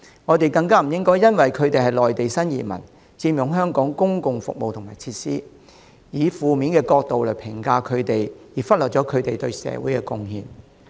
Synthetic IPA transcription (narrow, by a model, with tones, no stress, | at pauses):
ŋɔː˨˧t̪e˨jkɐ˧ŋkaː˥m̩˨˩jɪ˥ŋkɔː˥jɐ˥nwɐ˨jkʰɵ˨˧ɥt̪e˨jhɐ˨˩jlɔː˨jt̪e˨jsɐ˥njḭː˨˩mɐ̰˨˩n | t͡siː˧mjʊ˨˥ŋɦœː˥ŋkɔː˨˥ŋkʊ˥ŋkʊ˨ŋfʊ˨k̚mo˨wt̪ʰʊ˨˩maː˨˩jt͡sʰiː˧t̚siː˥ | jiː˨˧fuː˨miː˨˥nkɛː˧kɔː˧k̚t̪o˨wlɐ˨˩pʰɪ˨˩ŋkaː˧kʰɵ˨˧t̪e˨jjiː˨˩fɐ˥t̚lɔ˨t̚t͡ʃɔː˨˥kʰɵ˨˧ɥt̪e˨jt̪ɵ˧ɥsɛ̰ː˨˧˥wuː˨˥jkɛː˧kʊ˧ŋhiː˨˩n